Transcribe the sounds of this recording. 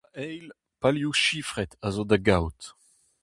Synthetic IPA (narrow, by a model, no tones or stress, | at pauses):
aɛjl | paljuʃifʁɛt̪azod̪aɡawt̪